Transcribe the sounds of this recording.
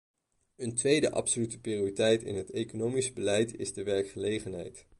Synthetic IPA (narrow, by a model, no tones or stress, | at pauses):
əntʋejdəʔɑ̰psolytə̥prijoːritɛjtɪ̰nɦətejkonowmisbəlɛjtɪ̰zdəʋɛɹkχəlejχənɦɛ̰jt